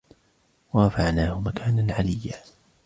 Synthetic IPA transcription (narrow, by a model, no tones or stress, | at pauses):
waɾˤɑfaʕnaːhʊmakʰaːnanʕalɪjːaː